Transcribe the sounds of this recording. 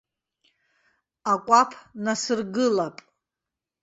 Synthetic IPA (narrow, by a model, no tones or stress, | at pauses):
akʷʼapʰnasɨrɡɨlapʼ